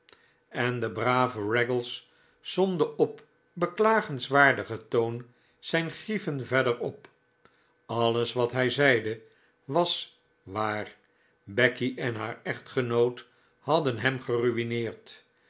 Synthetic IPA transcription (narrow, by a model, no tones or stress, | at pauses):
ɛndəbraːvərɛɡəlˠs | zɔndəɔp | bəklaːχənsʋaːɹdəχətown | z̥ɛjnχrifənvɛdəɹɔp | ɑləsʋɑtɦɛjzɛjdə | ʋɑs | ʋaːr | bɛkiʔɛnɦaːɹɛχtχənowt | hɑdənɦɛmχəryʋinɪːɹt